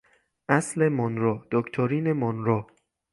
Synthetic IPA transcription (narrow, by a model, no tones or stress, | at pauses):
ʔæsle̞mɔnɾɔːd̪okʰt̪ʰoɾiːnemɔnɾɔː